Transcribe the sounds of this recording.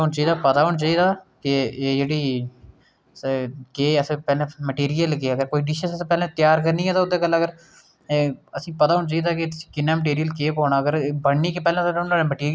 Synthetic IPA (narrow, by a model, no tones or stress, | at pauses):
ɦoɳt͡ʃaiːd̪aːpət̪aːɦʊɳt͡ʃaːiːd̪aːkɪeːd͡ʒeːɽiː | keːəspɛːlẽːməʈeːɾijəlkeːəɡəɾkoːiɖiʃəsəspɛːlẽːt̪ɪjaːɾkəɾnĩːɛːt̪aːʊd̪eːkəlːəɡəɾ | əsĩːpət̪aːɦʊɳt͡ʃaːiːd̪aːkɪt̪ʊsĩ̥ːkɪnːãːməʈ̬iːɾijəlkeːpoːɳaːəɡəɾbəɽniːkepɛːlãːt̪ːnaːɽeməʈiːɾi